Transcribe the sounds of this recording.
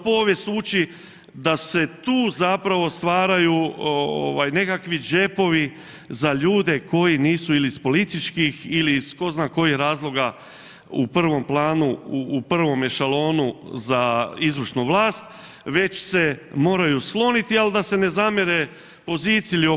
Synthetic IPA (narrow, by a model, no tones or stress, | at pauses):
po̞ːʋjest̪uːt͡ʃi | d̪ase̞t̪uːzapɾaʋo̞st̪ʋaːɾajuo̰ʋajne̞kakʋid͡ʒe̞po̞ʋi | zaʎuːd̪e̞ko̞jiniːsuilispo̞lit̪it͡ʃkixilisko̞znaːko̞jixɾaːzlˠoɡa | upr̩ʋo̞mplˠaːnuːpr̩ʋo̞mjeʃalˠo̞ːnuzaizʋr̩ʃnuʋlˠaːst̪ | ʋe̞t͡ʃse̞mo̞ːɾajusklˠo̞nit̪iald̪ase̞ne̞zamjeɾe | po̞ziːt̪silio